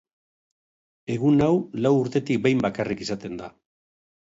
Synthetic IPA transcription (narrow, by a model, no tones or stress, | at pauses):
e̞ɣ̞unawlawuɾt̪e̞t̪ik̚be̞jmbakarikisat̪e̞nd̪a